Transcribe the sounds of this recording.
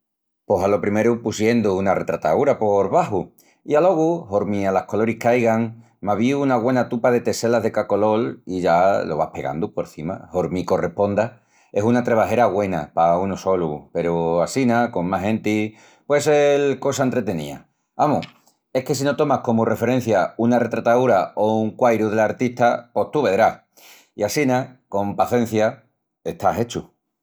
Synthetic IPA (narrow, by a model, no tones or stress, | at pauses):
po̞salo̞pɾime̞ɾupusje̞nd̪uunare̞t̪ɾat̪a̰uɾapo̞ɾβaɦu | ialo̞ɣ̞uhoɾmĩalahko̞lo̞ɾikajɣaŋ | maβiunaɣwe̞nat̪upaðe̞t̪e̞se̞laɦðe̞kako̞lo̞liʝalo̞βape̞̰ɣa̰nd̪upo̞ɾθima̰hoɾmiko̞re̞hpo̞nd̪a | esunat̪ɾe̞β̞aɦe̞ɾaɣwe̞napaunoso̞lupe̞ɾuasinako̞mmaɦẽ̞nt̪i | pwe̞selko̞saent̪ɾe̞t̪e̞nḭa̰ | amu | e̞hke̞s̬ino̞t̪o̞mahko̞mure̞fe̞ɾe̞n̟θjaunare̞t̪ɾat̪aðuɾaouŋkwajɾuð̞e̞laɾt̪it̪apo̞ht̪uβe̞ðɾah | iasinako̞mpaθe̞n̟θja | e̞ht̪aɦe̞t͡ʃu